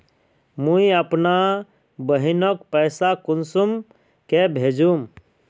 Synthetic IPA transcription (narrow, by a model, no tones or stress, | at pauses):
muiəpna | bəɦinɔkpəɪsakunsum | kebʱed͡ʒum